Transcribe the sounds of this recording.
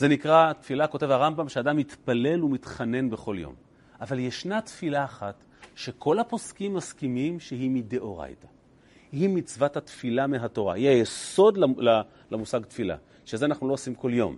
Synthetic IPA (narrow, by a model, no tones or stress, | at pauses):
zenikʁatfilako̞tevaʁambamʃeadamːit̪pale̞lumitχane̞nbe̞χo̞ljo̞̰m | ʔavaljeʃnat̪filaːχat | ʃe̞kʰo̞lhapo̞skimːaskimimʃeɦimideʔoʁa̰jta | himit͡svathatfilameɦato̞ʁa̰hiajeso̞dlala | lamusaɡtfila̰ | ʃezeanaχnulo̞osimko̞ljo̞̰m